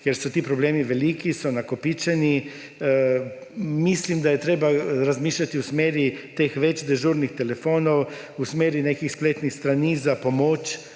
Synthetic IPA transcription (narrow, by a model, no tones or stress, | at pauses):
kjɛɾsɔt̪iːpɾobleːmiʋeliːkisɔnakopit͡ʃɛni | mislimd̪ajɛt̪ɾeːbaɾazmiːʃlat̪iusmeːɾit̪exʋɛt͡ʃd̪ɛʒuːɾnixt̪ɛlefoːnow | usmeːɾinekixspleːt̪nixst̪ɾanizapomoːt͡ʃ